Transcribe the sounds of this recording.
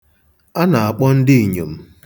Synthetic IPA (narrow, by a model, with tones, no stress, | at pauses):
a˦na˨a˨k͡pɔ˦n̩˦dɪ˦i˨ɲo˨m̩˦